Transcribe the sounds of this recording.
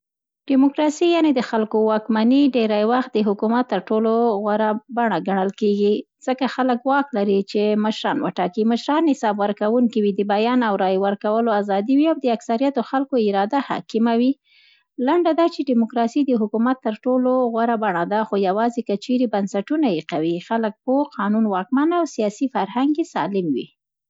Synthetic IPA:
ɖ̥ɪmʊkɾɑsijɑned̪əxalkowɑkmaniɖeɾajwaxt̪̚d̪əɦʊkumat̪ːəɾʈoloɣwaɾabaɳaɡaɳ̃əlkeɡi | z̥əkaxaləkwɑklaɾit͡ʃeməʃɾɑnwə̰ʈɑkiməʃɾɑnːɪsɑbwəɾkawuŋkiwid̪əbajɑnawɾɑjwəɾkawəloazɑd̪iwiawd̪əaksaɾijat̪oxalkoɪɾɑd̪aha̰kimawi | laɳɖad̪ɑt͡ʃeɖɪmʊkɾɑsid̪əɦʊkumat̪ːəɾʈoloɣwaɾabaɳad̪axojawɑzekət͡ʃeɾebansaʈunajiqawixalək̚pəqʰɑnunwɑk̚manawsijɑsifaɾhaŋɡesɑ̰lɪmwḭ

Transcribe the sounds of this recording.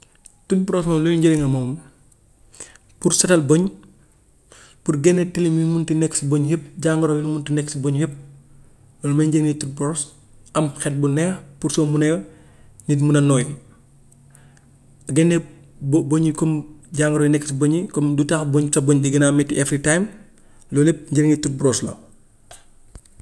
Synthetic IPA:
tut̚pɾɔsmɐmluuɲɟɐɾiŋɐmɔm | puɾsɐtɐlbɔɲ | puɾɡɛnːɛtilimimuntinɛksbɔɲjəp̚ɟaŋɡɐɾojimuntinɛksbɔɲjəp̚ | ɐlmɐɲɟəŋnitut̚pɾɔs | ɐmxɛt̚bunɛxpuɾsɔmunɛw | nitmunɐnɔːj | ɐɡɛnːɛ | bbɔɲikɔmɟaːŋɡɐɾɔjnɛkːsbɔɲikɔmdutaːxbɔɲsɐbɔɲdiɡɐnaːmɛtiʔɛfɾitajm | lɔlip̚ɲɟiɾŋitut̚bɾɔslo̰

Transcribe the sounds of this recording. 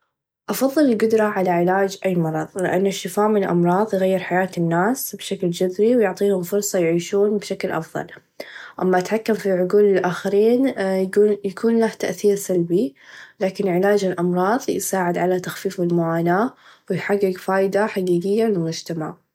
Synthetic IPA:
ʔɑfɑðˤːɨlɪlɡʊd̪ɾˤɑʕalaʕɪlaːd͡ʒʔajːmɑɾˤɑðˤlɪ̰ʔa̰nːʊʃːɪfaːʔmɪnɪlʔɑ̰mɾˤɑːðˤjɣajːɪɾħajaːt̪ɪnːaːsbʃakld͡ʒʊd̪ɾiwjʊʕt̪ˤiːhʊmfʊɾˤsˤɑjʕiːʃuːnbʃaklʔɑ̰fðˤɑ̰l | ʔamːaʔat̪ħakːamfiʕʊɡuːlɪlʔaːxaɾiːn | jakʰuːnlaht̪aʔθiːɾsalbilaːkɪnʕɪlaːd͡ʒɪlʔɑmɾˤɑːðˤjɪsaːʕɪd̪ʕalat̪axfiːfɪlmʊʕaːnaːwɪjħaɡːɪɡfaːjd̪aħaɡiːɡɪjːalɪlmʊd͡ʒt̪ama̰ʕ

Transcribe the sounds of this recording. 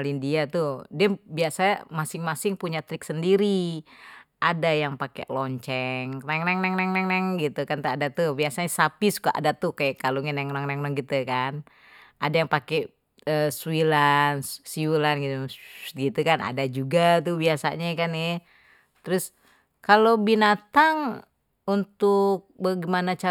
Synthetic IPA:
alindiat̪udɛbiasaa̰masɪŋmasɪŋpuɲat̪ɾɪksəndiɾi | ʔadajaŋpakɛ̰ʔlɔɲt͡ʃɛŋnɛŋnɛŋnɛŋnɛŋnɛŋnɛŋɡit̪ukant̪uadat̪ubiasaɲasapisu̥kaʔa̰dat̪ukajakaluŋɪnɛŋnaŋnɛŋnɛŋɡit̪ukan | ʔadajaŋpakɛ | əsuilanssiwulanɡit̪uɡit̪ukana̰dad͡ʒuɡat̪ubiasa̰ɲakanɛ | t̪ɾʊs | kalobinat̪aŋ | unt̪ʊk̚baɡimanat͡ʃa

